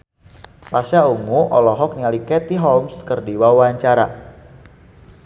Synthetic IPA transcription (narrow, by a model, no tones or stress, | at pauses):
pasaumuʔɔlɔɦɔk̚nialikɛt̪iɦɔlmskərdiwawaɲt͡ʃaɾa̰